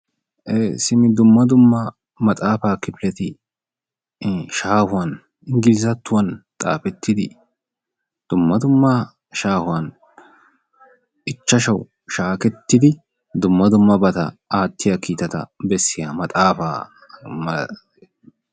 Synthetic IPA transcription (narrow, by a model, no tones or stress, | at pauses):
ʔeːsɪmɪd̪ʊmːɐd̪ʊmːɐ | mɐt̪ʼaːfaːkɪpɪlɛt̪ɪ | ʃaːhʊwɐn | ɪŋɡɪlɪzɐt̪ːʊwɐnt̪ʼa̰ːfɛt̪ːɪd̪ɪ̰ | d̪̥ʊmːɐd̪ʊmːa | ʃaːhʊwɐn | ʔɪt͡ʃːɐʃɐw | ʃaːkɛt̪ːɪd̪ɪ | d̪ʊmːɐd̪ʊmːɐbɐt̪ɐ̰aːt̪ːɪjakiːt̪ɐt̪ɐ̰bɛsːɪjaːmɐt̪ʼaːfa̰ː | mɐ